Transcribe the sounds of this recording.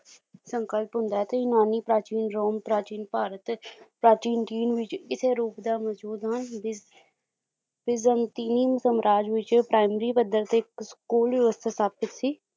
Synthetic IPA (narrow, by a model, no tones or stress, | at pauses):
səŋkəlpɦʊ̃nd̪aːɛːt̪eɪnaːniːpɾaːt͡ʃiːnɾoːmpɾaːt͡ʃiːnpaːɾət̪pɾaːt͡ʃiːnʈiːnʋɪt͡ʃkɪseːɾuːpd̪aːməuːd̪ɦənɪ | bɪzənt̪iːniːmsəmɾʔaːd͡ʒʋɪt͡ʃpɾaːɪmɾiːpəd̪əɾt̪ekskuːlʋɪʋəst̪ʰaːsaːpɪt̪siː